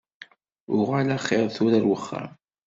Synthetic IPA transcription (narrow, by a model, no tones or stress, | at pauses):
ʊʁalæχːɪɾˤθʊɾæɾwəχːa̰m